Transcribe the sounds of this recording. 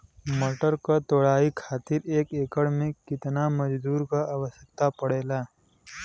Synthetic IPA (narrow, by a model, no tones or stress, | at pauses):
moʈəɾkət̪oɽaːikʰaːt̪iɾeːkeːkəɽmẽkɪt̪naməd͡ʒd̪uːɾkaʔaʋəsək̚t̪apəɽela